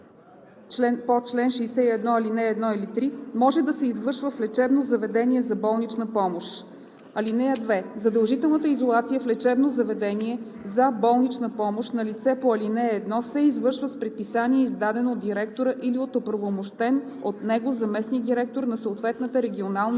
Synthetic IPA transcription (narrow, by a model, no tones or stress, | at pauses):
t͡ʃlɛnpot͡ʃlɛnʃɛːsɛiɛd̪nɔɐlinɛːd̪nɔilit̪ɾimɔʒɛd̪ɐsɛizvɤɾʃvəflɛt͡ʃɛbnozɐvɛd̪ɛniɛzɐbɔlˠnit͡ʃnəpɔmoʃ | ɐlinɛjəd̪vɛzɐd̪əlˠʒit̪ɛlˠnət̪əizolˠat̪sijəflɛt͡ʃɛbnozɐvɛd̪ɛniɛ | zɐbɔlˠnit͡ʃnəpɔmoʃnɐlit̪sɛpoɐlinɛːd̪nɔsɛizvɤɾʃvəspɾɛt̪̚pisanʲiɛizd̪ad̪ɛnood̪d̪iɾɛkt̪oɾəʔiliot̪opɾɐvomoʃt̪ɛn | ot̪nɛɡozɐmɛsnid̪iɾɛk̚t̪oɾnɐsəot̪vɛt̪nət̪əɾɛɡʲionalˠn